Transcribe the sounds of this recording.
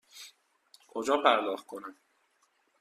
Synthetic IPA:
kʰod͡ʒɒːpʰæɾd̪ɒːxt̪̚kʰonæm

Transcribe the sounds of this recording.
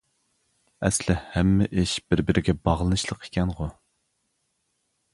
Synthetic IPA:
ɛslɪhɛmːɪʔɪʃb̥ɪɾbɪɾʔɪɡʲɛbɑʁlˠɨnɨʃlˠəqʰe̥kʲɛnʁʊ

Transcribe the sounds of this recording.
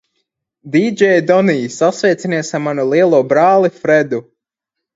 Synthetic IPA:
d̪id͡ʒɛjd̪ɔniːsasvɛjt̪siniɛsaɾmanulˠiɛlˠuɔbɾaːlˠifɾɛd̪u

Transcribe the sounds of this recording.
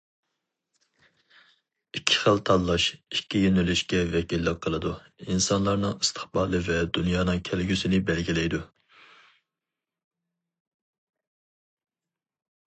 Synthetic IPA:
ikʲʰːi̥χəlt̪ʰɑlˠːɑʃikʲʰːijønylyʃkʲɛvɛkʲilːɪqʰːəlˠɨd̪u | insɑnlˠɑɾnɨŋist̪ʰɨ̥χbɑːlˠɨvɛd̪ynjɑːnɨŋkʲʰɛlɡʲysɪnɪbɛlɡʲilɛjd̪u

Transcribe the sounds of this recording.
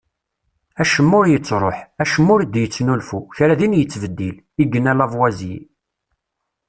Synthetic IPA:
æʃəmːʊɾjət͡sːɾˤoħæʃəmːʊɾd̪jət͡sːnulfuçɾæðinjət͡sːvəd̪ːil | iɡənælævwæzji

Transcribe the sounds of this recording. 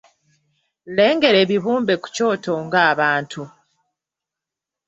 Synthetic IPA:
le̞ːŋɡe̞ɾe̞ːβiβuːmbe̞ku̥co̞ːto̞ŋɡaːβaːntʰu

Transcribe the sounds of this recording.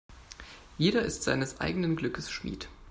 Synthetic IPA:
jeːɾɐʔɪstz̥a̰ɪnəsʔa̰ɪɡənənɡlʏkəsʃmḭːt

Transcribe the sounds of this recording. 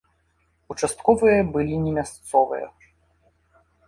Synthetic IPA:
ut͡ʂast̪kɔvɨjɐbɨlʲinʲɛmʲast̪sɔvɨ̰jɐ̰

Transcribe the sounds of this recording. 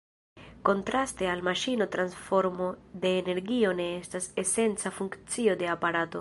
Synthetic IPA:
ko̞ntɾaste̞almaʃino̞tɾansfo̞ɾmo̞d̪e̞ːne̞ɾɡio̞ne̞estase̞se̞nt͡safuŋkt͡sio̞d̪e̞apaɾato̞

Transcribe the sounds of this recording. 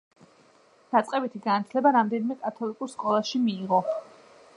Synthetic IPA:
d̪̥at̪sʼqʼɛbit̪ʰiɡanat̪ʰlɛbaɾamd̪ɛnimɛkʼat̪ʰɔlikʼuɾskʼɔlˠasʃimiːʁɔ

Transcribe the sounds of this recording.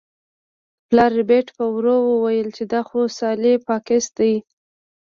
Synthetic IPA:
plɑɾɪbeʈpəwɾowəwajəlt͡ʃed̪axosɑlepɑkɪst̪aj

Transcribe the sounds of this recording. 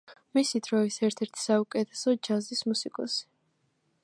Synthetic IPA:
misid̪ɾɔisɛɾt̪ʰɛɾt̪ʰi̥saukʼɛt̪ʰɛ̥sɔd͡ʒazismusikʼɔ̰si̥

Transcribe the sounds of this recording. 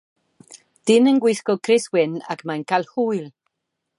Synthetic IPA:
d̥ɪnənɡwɪjskɔkʰrɪswɪna̰kʰmankʰalˠhuːjlˠ

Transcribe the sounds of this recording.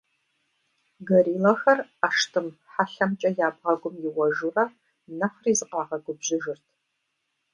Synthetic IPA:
ɡɐɾiːlɐxɐraːʂtʰɨmħaɬɐmt͡ʃʼɐjaːbʁɐɡʷʊmjɪwɐʒurɐ | nɐχriːzɨqɑːʁɐɡʷʊbʑɪʒɪrtʰ

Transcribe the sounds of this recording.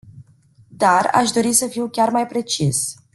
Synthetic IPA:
d̪ara̰ʃd̪o̞ɾisəfiwkʲarmajpɾe̞t͡ʃis

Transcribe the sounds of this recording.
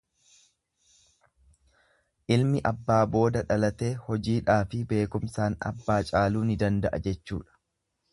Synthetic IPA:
ʔɪlmɪʔɐbːaːbo̞ːd̪ɐᶑɐlɐt̪e̞ːhɔd͡ʒiːᶑaːfɪbe̞ːkʊmsaːnɐ̰bːaːt͡ʃʼaːluːnɪd̪ɐnd̪ɐʔɐd͡ʒɛt͡ʃːṵːᶑɐ̥

